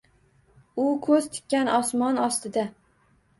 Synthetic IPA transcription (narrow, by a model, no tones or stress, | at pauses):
ʊkʰɵz̥t̪ʰɪ̥kʲːanʔɒsmɒnɒst̪ɪd̪a